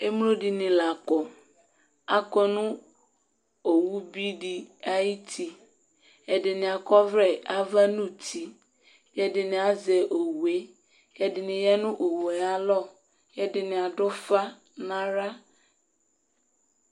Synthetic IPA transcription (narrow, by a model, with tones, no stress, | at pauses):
e˦m˦lo˦di˨nɪ̃˨la˨kɔ˨ | a˦kɔ˦nʊ̃˦ | o˨wu˦bi˦di˦a˦ji˦tʰi˨ | ɛ˨dɪ˨nɪ̃˨a˨kɔ˦vɾɛ˦˨a˨va˦nʊ̃˦tʰi˨ | jɛ˦dɪ˨nɪ̃˨a˦zɛ˨ʔo˨wu˨e˦ | jɛ˦dɪ˨nɪ̃˨jɛ˦nʊ̃˦ʔo˨we˨a˦lɔ˦˨ | jɛ˦dɪ˨nɪ̃˨a˨dɔ˦fa˦ | nã˦ɾa˦